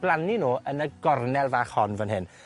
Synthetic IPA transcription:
blˠaninoːʔənəɡɔrnɛlˠvaːχhɔnvənɦɪn

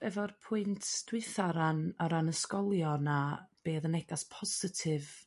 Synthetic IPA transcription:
ɛvɔrpʰʊɨntʰd̥wɪθaɾanɔɾanəskɔlˠjɔnab̥eːðənɛɡaspʰɔsɪtʰɪv

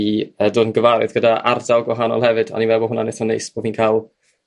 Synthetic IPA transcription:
iədoːdnɡəvaɾɨ̰ðɡədaʔa̰rdalˠɡwɔɦanɔ̰lˠhɛvɨda̰nivɛbɔɦʊnaneθɔnejsb̥oviːnkʰalˠ

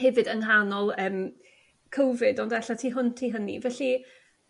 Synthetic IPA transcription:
hɛvɨdəŋɦanɔlˠəːm | kʰowvɨdɔndaɬatʰiːɦʊntʰiːɦənḭvɛɬi

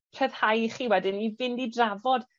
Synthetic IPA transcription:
pʰrəð̥hajχiːwɛdɪnivɪndidravɔd̥

